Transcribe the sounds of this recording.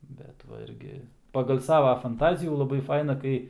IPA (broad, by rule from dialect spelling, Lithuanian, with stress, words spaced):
ˈbʲɛt ʋɐ ˈɪrʲɡʲɪ pɐɡɐlˠ ˈsɑːʋɐ fɐnˈtɑːzʲɪjuː lˠɐˈbɐɪ ˈfɐɪnɐ ˈkɐɪ